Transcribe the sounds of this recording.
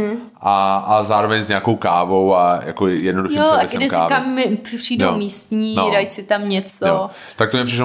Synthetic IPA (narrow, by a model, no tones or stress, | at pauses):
ʔaazaːɾovɛɲzɲaːkowkaːvowaja̰kojɛdnoduxjioasdɛska̰ːkamːɪpr̥iːdomiːst̪ɲiːnodajsɪt̪amɲɛt͡soo | t̪ak̚t̪omɲɛpr̥ɪʃ